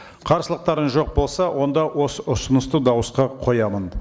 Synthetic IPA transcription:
qʰɑɾsəlˠəq̚t̪ɑɾənʒo̞q̚bo̞lˠsɑwʔo̞nd̪ɑwo̞səʊsənəst̪əd̪ɑwəsqɑqʰo̞jɑmən

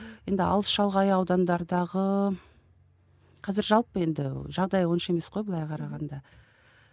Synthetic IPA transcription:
je̞nd̪ɪɑ̰lˠəsʃɑlˠʁɑjɑwd̪ɑnd̪ɑɾd̪ɑʁə | qʰɑzɪɾʒɑlˠpəe̞nd̪ɪʒɑʁd̪ɑjwo̞nʃe̞me̞sqo̞jbəlˠɑjqʰɑɾɑʁɑnd̪ɑ

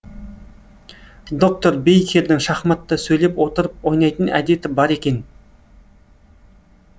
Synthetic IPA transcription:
d̪o̞k̚t̪o̞ɾbejkʲʰe̞ɾd̪ɪŋʃɑχmɑt̪ːəsɵjle̞pwo̞t̪əɾəp̚wo̞jnɑjt̪ənæ̰d̪e̞t̪ɪbɑɾe̞kʲe̞n

